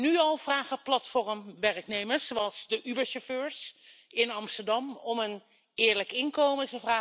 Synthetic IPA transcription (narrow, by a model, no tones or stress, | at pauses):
nyɑlˠv̥raːχəplɑtfɔrəmʋɛrknejməɹszoɑlˠzdəʔybəɹsɔføːɹsɪnɑmstəɹdɑmɔmən | ɪːɹləkɪnkowmətəvraː